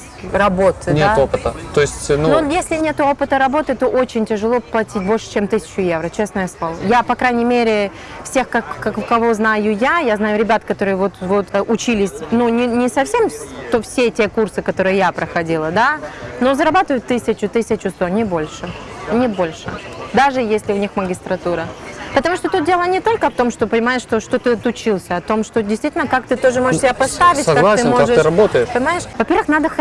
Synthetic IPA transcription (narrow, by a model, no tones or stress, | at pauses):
rɐbo̞t̪ɨnʲeatopɨt̪ət̪o̞ɪsʲtʲnunojesʲlʲɪnʲet̪ʊo̞pɨt̪əɾɐbo̞t̪ɨt̪o̞ʔot͡ɕɪnʲtʲɪʐɨlˠo̞plˠɐtʲit̚ʲbo̞lʲʂɨ̥t͡ɕemt̪ɨsʲɪ̥t͡ɕʊje̞vɾət͡ɕe̞snəjəslˠɐlˠo̰japɐkɾajnʲɪmʲeɾʲɪ | fsʲe̞xkɐkːɐkːɐvo̞znajʊjajaznajʊɾʲɪbʲat̪kɐt̪o̞ɾɨjvo̞t̪vot̪ʔʊt͡ɕilʲɪsʲnunʲɪnʲɪsɐfsʲe̞mt̪ofsʲetʲe̞kursɨkɐt̪o̞ɾɨjɪjapɾəxɐdʲilˠəd̪ano̞zəɾɐbat̪ɨvəjʊt̪ːɨsʲɪt͡ɕʊt̪ɨsʲɪt͡ɕʊst̪onʲɪbo̞lʲʂɨnʲɪbo̞lʲʂɨd̪aʐɨjesʲlʲɪʊnʲixməɡʲɪst̪ɾɐt̪uɾəpət̪ɐmuʂt̪o̞t̪ut̪̚dʲelˠənʲɪt̪o̞lʲkəft̪o̞mʂt̪o̞pənʲɪmajɪʂt̪oʂt̪ot̪ɨɐt̪ʊt͡ɕilˠsʲəɐt̪o̞mʂt̪odʲɪst̪vitʲɪlnəkak̚t̪ɨt̪o̞ʐɨmoʐəʂsʲɪbʲapɐst̪avʲɪt̚ʲsɐɡkalˠasɨmoʐɨɾɐbot̪əjɪpənʲɪmajɪʂvɐpʲervɨxnad̪əx